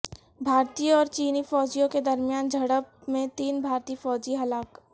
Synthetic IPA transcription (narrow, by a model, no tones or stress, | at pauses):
bʱaːɾt̪iːɔːɾt͡ʃiːnifɔːd͡ʒijõked̪ɐɾmijaːnd͡ʒʱɐɽəbmẽt̪iːnbʱaːɾt̪iːfɔːd͡ʒiɦɐlaːk